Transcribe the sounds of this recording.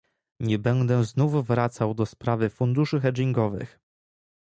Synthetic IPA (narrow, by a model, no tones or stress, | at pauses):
ɲɛbɛnd̪ɛznufvɾat̪sawd̪ɔspɾavɘfund̪uʂɘxɛd͡ʒiŋɡɔvɘ̰x